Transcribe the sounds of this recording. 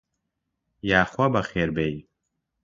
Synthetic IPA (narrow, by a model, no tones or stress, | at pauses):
jaːχwɐbɐχeːɾbej